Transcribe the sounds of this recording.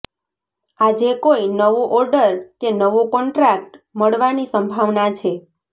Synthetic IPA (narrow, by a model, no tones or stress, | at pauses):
ad͡ʒekoinəʋũʔɔɾɖəɾkenəʋũkɔɳʈɾak̚ʈməɭʋanisəmbʱaʋnat͡ʃʰe